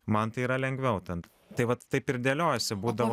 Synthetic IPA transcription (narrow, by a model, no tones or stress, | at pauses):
mɐnt̪ɐɪiːɾɐlʲɛŋʲɡʋʲɛʊt̪ʲɛn | t̪ɐɪʋɐt̪ːɐɪpɪɾd̪ʲeːlʲoːjɛsʲɛbuːd̪ɐʋoː